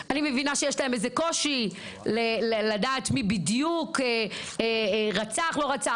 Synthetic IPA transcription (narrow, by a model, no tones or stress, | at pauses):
animevinaʃejeʃlaemezeko̞ʃi | leleladaːtmibidjukeeʁat͡saχlo̞ʁat͡sa